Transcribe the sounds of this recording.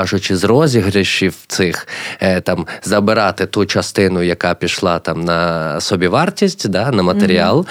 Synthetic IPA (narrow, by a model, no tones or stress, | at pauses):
ʒʊt͡ʃɪzɾɔzʲiɦɾɪʃiwt̪sɪxt̪ɑmzɐbɪɾɑt̪ɪt̪ut͡ʃɐst̪ɪnʊjɐkɑpʲiʃlˠɑt̪ɑmnɐsɔbʲiʋɑrtʲisʲtʲd̪ɑnɐmɐt̪eɾʲiɑlˠ